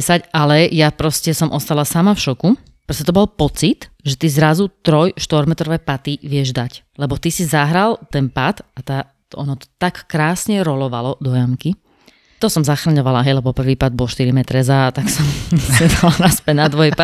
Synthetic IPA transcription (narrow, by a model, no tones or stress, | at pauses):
sacalɛjapɾɔscɛsɔmʔɔst̪alasamafʃɔku | pɾɔscɛt̪ɔbɔlpɔt͡sit̪ʒɛt̪izɾazut̪ɾɔjʃt̪ʋɔɾmɛt̪ɾɔʋɛpat̪iʋɪɛʒd̪ac | lɛbɔt̪isizaɦɾalt̪ɛnpat̪at̪aː | ɔnɔt̪ɔ̥t̪akːɾaːsɲɛɾɔlɔʋalɔd̪ɔjamki | t̪ɔsɔmzaxɾaɲɔʋalaɦɛjlɛbɔpr̩ʋiːpad̪̚bɔlʃt̪iɾimɛt̪ɾɛzaːt̪aksɔmɲɛd̪alanaspɛnad̪ʋɔjpa